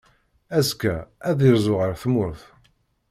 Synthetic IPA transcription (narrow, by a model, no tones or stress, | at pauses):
æskːææðiɾzˤʊʁəɾθmʊɾθ